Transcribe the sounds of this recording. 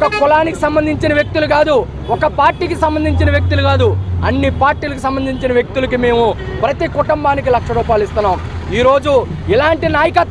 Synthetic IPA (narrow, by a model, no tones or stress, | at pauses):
kɐkulaːnikisɐmbɐnd̪ʱiɲt͡ʃinɐʋjɐk̚t̪uluɡaːd̪u | ɔkɐpaːɾʈːiːkisɐmbɐnd̪ʱiɲt͡ʃinɐʋjɐk̚t̪uluɡaːd̪uɐnːipaːɾʈːiːlɐkusɐmbɐnd̪ʱiɲt͡ʃinɐʋjek̚t̪ulɐk̬ime̞ːmupɾɐt̪ikuʈumbaːnik̬ilɐkʂɐɾuːpaːlist̪unːaːm | iːɾo̞ːd͡ʒu | ilaːɳʈinaːjɐkɐt̪